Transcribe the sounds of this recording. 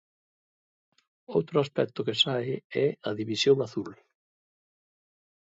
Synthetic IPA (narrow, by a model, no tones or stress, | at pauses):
owt̪ɾʊaspɛk̚t̪ʊkɛsaɪɛaðiβisjownaθul